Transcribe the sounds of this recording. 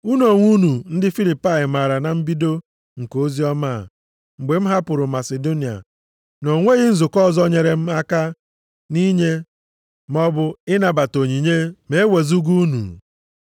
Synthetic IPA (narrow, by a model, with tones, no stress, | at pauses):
u˦n˦o˨ŋʷu˦nu˨n̩˦dɪ˦fi˦li˨pa˦ɪ˨ma˨ɾa˨na˨m̩˦bi˦do˦ | ŋ̩˨ko˦zi˦ɔ˦ma˦˨ | ŋ͡m̩˨ɡ͡be˨m̩˦ɦa˦pʊ˨ɾʊ˨ma˨se˨do˦ni˨a̰˨ | no˨ŋʷe˦ɣɪ˦n̩˦zʊ˨kɔ˦˨zɔ˦ɲe˨ɾe˨m̩˦a˦ka˦ | ni˦ɲe˦ | m˦ɔ˦bʊ˦ɪ˦na˨ba˨to˨ɲi˨ɲe˦me˨˦e˦we˨zu˦ɡu˦nṵ˨